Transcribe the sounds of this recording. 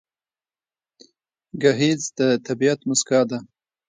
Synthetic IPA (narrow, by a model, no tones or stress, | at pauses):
ɡaɦizd̪̥ət̪abiat̪mʊskɑd̪a